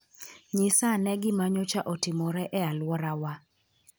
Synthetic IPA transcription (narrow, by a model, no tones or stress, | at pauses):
ɲɪsanɛɡɪmaɲɔt͡ʃaʔɔtɪmɔɾɛʔɛalwɔɾawa